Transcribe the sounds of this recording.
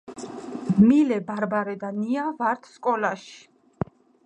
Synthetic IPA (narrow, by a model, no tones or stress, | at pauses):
milɛbaɾbaɾɛd̪aniavaɾt̪ʰskʼɔlaʃi̥